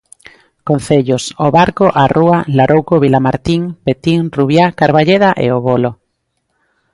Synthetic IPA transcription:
kon̟θeʎosoβaɾkoʔarualaɾowkoβilamaɾt̪iŋpet̪iŋruβjakaɾβaʎeðaʔḛoβolo

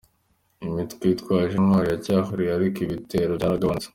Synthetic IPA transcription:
imitkwitkwaːʃammwaːɾijacaːxuɾiaɾikiβitʰe̞ːɾoaɾaɡaβant͡se̥

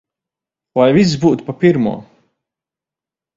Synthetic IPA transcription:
vajvis̬zbuːt̪papʲiɾmṵɔ

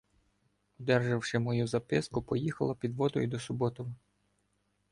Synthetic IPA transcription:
ɔd̪ɛrʒɐwʃɪmɔjuzɐpɪskʊpɔjixɐlˠɐpʲid̪ʋɔd̪ɔjʊd̪ɔsʊbɔt̪ɔʋ

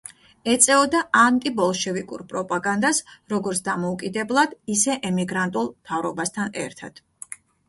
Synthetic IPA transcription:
ɛt̪sʼɛɔd̪aʔant̪ʼibɔlˠʃɛvikʼṵɾpʼɾɔpʼaɡand̪asɾɔɡɔɾt̪sʰd̪amɔukʼid̪ɛblˠad̪̥isɛʔɛmiɡɾant̪ʼulˠmt̪ʰavɾɔbast̪ʰanɛ̰ɾt̪ʰad̪̥

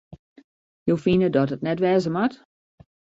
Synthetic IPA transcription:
jofinədɔtət̚nɛtʋɛːzəmat

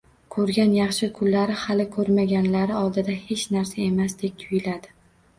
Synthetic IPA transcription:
kʰɵɾɡʲanjɑχʃɪkʰʊlːaɾɪhalɪkʰɵɾmaɡʲanlaɾɪɒlˠd̪ɪd̪ahet͡ʃnaɾsae̞masd̪̥e̞k̚t̪ʰʊjɪlad̪ɪ

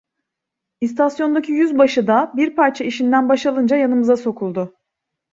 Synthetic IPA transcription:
ist̪ʰasjo̞nd̪acʰijyzbaʃɯd̪abiɾpʰaɾt͡ʃʰaiʃind̪ænbaʃalˠɯnd͡ʒajanɯmɯzaso̞kʰulˠd̪ʊ

